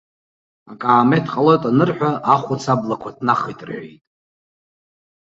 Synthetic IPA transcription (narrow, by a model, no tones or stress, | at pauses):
akʼaːmetʰqʼalo̞jtʼanɨrħᶣaʔaχʷut͡sʰablakʷʰadʰnaχijtʼrʕḛjtʼ